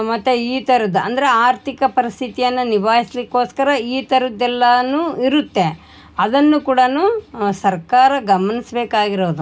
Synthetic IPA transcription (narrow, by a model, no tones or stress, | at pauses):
mɐt̪ːeiːt̪ɐɾɐd̪uɐ̰nd̪ɐɾeaːɾt̪ʰikɐpɐɾist̪ʰit̪ijɐnːunibaːjislikːo̞ːskɐɾɐiːt̪ɐɾud̪ɛlːɐnuiɾut̪ːe̞ | ɐd̪ɐnːukuːɽɐnusɐɾkaːɾɐɡɐmɐnisbeːkaːɡiɾoːd̪u